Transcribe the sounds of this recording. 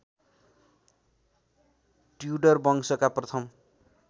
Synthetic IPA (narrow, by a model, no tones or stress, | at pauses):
ʈjuɖʌrbʌŋsʌkaprʌt̪ʰʌm